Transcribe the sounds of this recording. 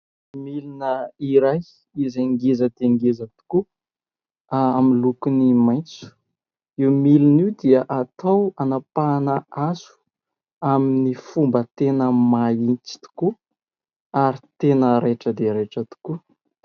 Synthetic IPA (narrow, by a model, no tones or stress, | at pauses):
milinəiɾaj | izaŋɡezəd̪̥eŋɡezət̪u̥ku | aminlukunimajnt͡su̥ | iwmiliniwd̪iəʔat̪ʰawanapanəazu̥ | aminifumbət̪enəmaint͡si̥t̪u̥ku | aɾit̪enəɾeʈ͡ʂəd̪eɾeʈ͡ʂət̪u̥ku